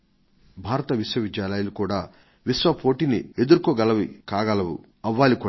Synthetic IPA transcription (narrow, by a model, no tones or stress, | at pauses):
bʱaːɾɐt̪ɐʋiswɐʋid͡ʒjaːlaːjɐlukuːɽaː | ʋisʋɐpʰo̞ːʈiːnie̞d̪uɾukoːɡɐlɐʋikaːɡɐlɐʋṵ | ɐʋːaːlikuː